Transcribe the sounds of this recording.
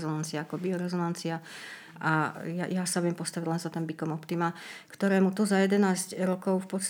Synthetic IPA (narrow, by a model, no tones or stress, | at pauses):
zɔnant͡siaakɔbiɔɾɛzɔnant͡sia | ʔaja̰jasaujɛmpɔst̪aʋiɟlɛnzat̪ɛmbikɔmɔpt̪imakt̪ɔɾɛːmut̪uzajɛd̪ɛnaːzcɾɔkɔʊfpɔt̪st̪